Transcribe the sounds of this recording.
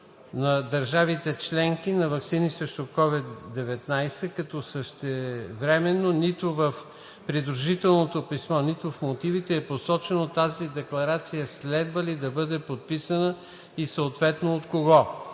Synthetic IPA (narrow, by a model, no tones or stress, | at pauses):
nɐd̪ɐɾʒavit̪ɛt͡ʃlɛŋk̟inɐvɐksinisɾɛʃt̪okɔvid̪ːɛvɛt̪najsɛkɐt̪ɔsəʃt̪ɛvɾɛmɛnːonit̪ʊvɐf | pɾid̪ɾuʒit̪ɛlˠnot̪opismɔnit̪ofmot̪ivit̪ɛːposɔt͡ʃɛnot̪azid̪ɛklˠɐɾat̪sijɐslɛd̪vəlid̪ɐbɤd̪ɛpot̪̚pisənə | isɐot̪vɛt̪noot̪koɡɔ